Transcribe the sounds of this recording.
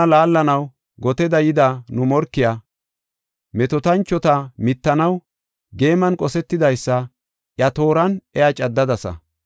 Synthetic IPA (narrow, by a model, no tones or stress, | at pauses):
laːlːɐnɐw | ɡɔt̪ɛd̪ɐjɪd̪ɐnʊmɔɾkːɪjaː | mɛt̪ɔt̪ɐnt͡ʃːɔt̪ɐmɪt̪ːɐnɐw | ɡe̞ːmɐnkʼɔsɛt̪ːɪd̪ɐjsːɐ | ʔjɐt̪o̞ːɾɐnɛjɐt͡ʃʼɐd̪ːɐd̪ɐsɐ̰